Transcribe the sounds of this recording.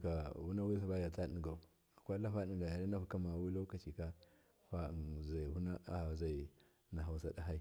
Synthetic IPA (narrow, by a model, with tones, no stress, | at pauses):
ka˨wu˦na˦wi˦sa˦ba˦ja˨ta˦ɗi˦˨ɡa˨u˨ | a˨kʷa˦la˦fa˦ɗi˨ɡa˨ja˨ɾi˦na˦fu˦ka˦ma˨wi˦lo˦ka˨t͡ʃi˨ka˦ | fa˦˨za˨i˨hu˦na˦a˨a˨za˨i˨ | na˨ɦa˨u˦sa˦da˦ɦa˦i˦